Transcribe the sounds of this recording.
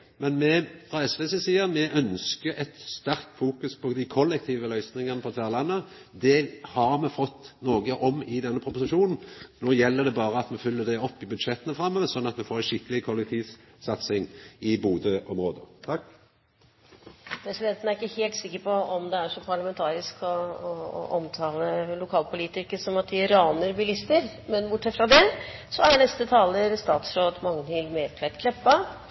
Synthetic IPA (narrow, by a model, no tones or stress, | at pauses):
mɛnmɛfʁɑːɛsʋeːsesiːəɾmɛʔœnskəɛt̪st̪æɾkt̪fuːkʉspʰɔd̪ɪkʰɔlːɛk̚t̪ʰiːʋəlœʏsnɪŋənəpʰɔt̪ʰʋæːʁlɑnːə | d̪ɛhɑɾmɛfɔt̪ːnoːɡəʔɔmɪd̪ɛnːəpʰɾʊpʊsɪʃuːnn̩noːjɛlːəd̪ɛbɑːɾəɑt̪mɛfʏlːəd̪ɛɔpːɪbʉd̪ʂɛt̪ːənəfɾɑmːɛːʋəsɔnːɑt̪mɛfoːɾɛʃɪkːəlɪkʰɔlɛk̚t̪ʰiːʋ | sɑt̪sɪŋɪbuːd̪əʔɔmɾoːd̪ət̪ʰɑk | ɾɛslɛt̪ənæɾɪkːəheːlt̪sɪkːəɾpɔɔmd̪ɛæʂɔpʰɑɭɑmɛnt̪ʰɑːɾɪskɔɔ̰ʔɔmt̪ʰɑːləlʊkʰɑːlpʰʊliːt̪ɪkːəsɔmɑt̪̚d̪ɪɾɑːnəɾbɪlɪst̪əɾ | mɛnbʊʈʂɛt̪fɾɑd̪ɛsɔæɳɛst̪ət̪ʰɑːləɾst̪ɑːt̪sɾoːd̪mɑŋːənɪlmeːɾk̪ʰʋɛt̪kʰlɛpːɑ